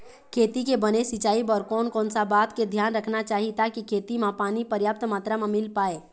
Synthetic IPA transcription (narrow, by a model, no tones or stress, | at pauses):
kʰeːt̪ikebənesɪt͡ʃaːibɔːɾkɔːnkɔːnsabaːt̪ked̪ʱjaːnɾəkʰnat͡ʃaːɦit̪akikʰeːt̪imãpaːnipəɾjaːp̚t̪maːt̪ɾamãmɪlpaːeː